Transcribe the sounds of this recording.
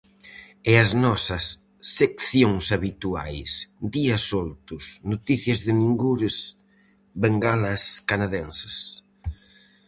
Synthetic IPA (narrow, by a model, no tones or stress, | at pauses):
ɛɐznɔsɐsː | ekθjoŋsaβit̪ua̰jsd̪iɐsolt̪ʊsnot̪iθjɐzðɪniŋɡuɾɪs | βeŋɡalɐskanaðɛnsɪ̥s